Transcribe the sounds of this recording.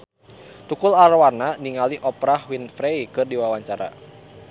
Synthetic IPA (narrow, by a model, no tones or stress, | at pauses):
t̪ukʊlarwarnaniŋaliʔɔpɾahwinfɾejkɨrdiwawaɲt͡ʃaɾa̰